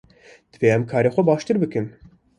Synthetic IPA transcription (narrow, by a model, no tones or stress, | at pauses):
d̪̥ɨveːɛmkʰɑːɾexʷɛbɑːʃt̪ɨɾbɨkɨm